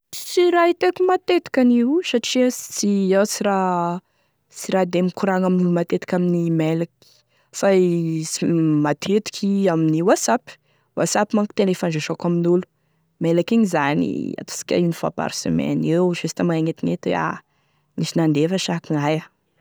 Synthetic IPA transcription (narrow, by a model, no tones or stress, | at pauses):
siɾait̪ekimat̪et̪i̥kʲaniwsaʈ͡ʂiət͡siawsiɾa | siɾad̪emikuɾaŋaminulumat̪et̪i̥kʲaminimɛlaki̥ | faiimat̪ʰet̪i̥kʰiaminiwasapi̥ | wa̰sapimaŋki̥t̪elefanzeʃokaminulu̥ | melakiɲizanḭa̰t̪o̥si̥kʲa̰inifa̰pa̰ɾsḛmɛ̰newʃest̪amaŋaŋet̪iŋet̪ia̰ | nisinand̪efəʃakiŋaja